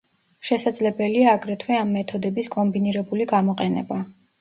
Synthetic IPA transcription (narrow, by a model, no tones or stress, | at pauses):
ʃɛsad̪zlɛbɛliaːɡɾɛt̪ʰwɛamːɛt̪ʰɔd̪ɛbiskʼɔmbiniɾɛbuliɡamɔqʼɛnɛ̰ba